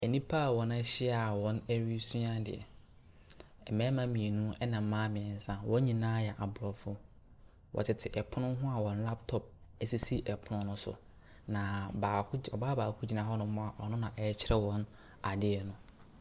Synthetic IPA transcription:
ɛ˨nĩ˦pʰa˦˨wɔ̃˨na˦ɕɪ˦a˨wɔ̃˨˦nɛ˦ɾi˦su˦ã˦dɪ̰˨ɛ̰˨ | ɛ˨mɛ̃˦mã˦mĩ˨e˨nũ˦ɛ˦nã˨m̩˨˦mãː˦mɪ̃˨ɛ˨n̩˦sã˦wɔ̃˦ɲĩ˨nãː˦jɛ˨ʔa˨bʊ˨ɾɔ˨fʊ˦ | wʔɔ̰˨tʰɪ˨tʰɪ˨ʔɛ˨pʰʊ˦nʊ̃˦ɦʊ̃˦a˨wɔ̃˨n˦la˦ptʰɔ˦p̚ɛ˦˨si˦si˦ʔɛ˨pʰʊ˦nʊ̃˦nʊ̃˦sʊ̰˨ | nã˨ba˨˦ɔ˨baː˦baː˨kʰʊ˦d͡ʑi˨nã˨ɦɔ˦nʊ̃˦mʊ̃˦a˨ʔɔ˨nʊ̃˦nã˨ʔɛ˨˦t͡ɕʰɪ˦ɾɛ˦wɔ̃˦n | a˨dɪ˦ɛ˨nʊ̃˦

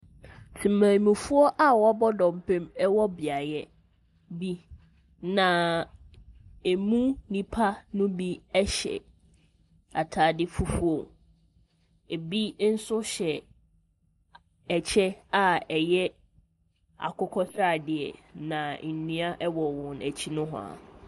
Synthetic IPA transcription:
sʰĩ˨mãː˨mĩ˨fu˦ɔ˦ʔa˨wɔ˦bɔ˦dɔ̃˨m˨pʰẽ˦mɛ˦wɔ˦bɪ˨a˨jɛ˦ | bi˦ | nã˨ | e˨mũ˦nĩ˦pʰa˦nʊ̃˦bi˦ɛ˦ɕɛ̰˨ | a˨tʰaː˨dɪ˦fu˦fu˦o˨ | e˨bi˦n̩˦sʊ˦ɕɛ˨ | ɛ˨t͡ɕʰɛ˦a˨ɛ˨jɛ˦ | a̰˨kʰʊ˦kʰɔ˦sɾaː˦˨dɪ˨ɛ̰˨nã˨n̩˨nĩ˦a˦ʔɛ˦wɔ˨wɔ̃˨næ˨t͡ɕʰi˦nʊ̃˦ɦʊ̰˨a̰˨

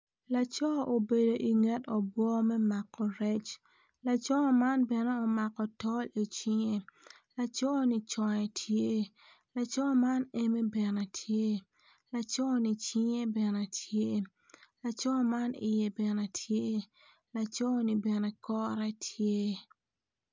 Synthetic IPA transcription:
la˨t͡ʃɔ˦ʔo˨be˨do˨ʔi˨ŋɛ˦tɔ˨bwɔ˦mɛ˦ma˨kːɔ˨ɾɛ˦t͡ʃ | la˨t͡ʃɔ˦ma˦nbɛ˨nɛ˦ɔ˨ma˨kɔ˨tɔ˦li˨t͡ʃi˦ŋe˦ | la˨t͡ʃɔ˦ni˦t͡ʃɔ˨jɛ˨tʰje˦ | la˨t͡ʃɔ˦ma˦ne˦me˦bɛ˨na˨tʰje˦ | la˨t͡ʃɔ˦ni˨t͡ʃi˦ŋe˦bɛ˨nɛ˨tʰje˦ | la˨t͡ʃɔ˦ma˦nɪ̰˨jɛ˨bɛ˨na˨tʰje˦ | la˨t͡ʃɔ˦ni˨bɛ˨nɛ˨kɔ˦ɾɛ˦tʰje˦

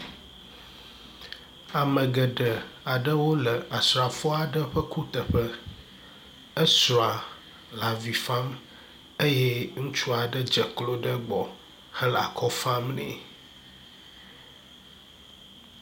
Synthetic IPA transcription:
a˨mə̃˨ɡə˨ɖə˨a˨ɖə˦wo˦lə˨a˨sɾa˨fɔ˦a˨ɖə˦ɸə˦ku˦t̪ə˨ɸə˦ | ə˦su˨a˨ | la˨vi˨fa˦m | e˦jɛ˦ŋũ˦t͡ʃu˦a˨ɖə˦d͡ʒə˨klo˦ɖə˦ɡ͡bɔ˨ | hə˦la̰˨kʰɔ˦fa˦mnḛ̃˨

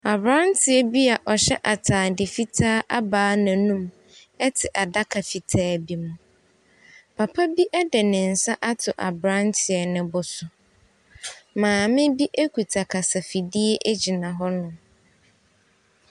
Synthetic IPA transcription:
a˨bɾã˦ntʰɪ˨ɛ˨bi˦a˨ʔɔ˨ɕɛ˦ʔa˨tʰaː˨dɪ˨fi˦tʰaː˦ʔa˦baː˦nã˨nũ˦m | ɛ˦tʰɪ˨ʔa˨da˦kʰa˨fi˨tʰaː˦bi˨mʊ̃˨ | pʰa˨pʰa˦bi˦ʔɛ˦dɛ˨nɪ̃˨n̩˨sa˦ʔa˦tʰʊ˨ʔa̰˨bɾã˦ntʰɪ˨ɛ˨nɪ̃˨bʊ˨sʊ˨ | mãː˨mɪ̃˦bi˦ʔe˦kʰu˨tʰa˨kʰa˨sa˨fi˨di˦ɛ˦ʔe˦d͡ʑi˨nã˨ɦɔ˦nʊ̃˨

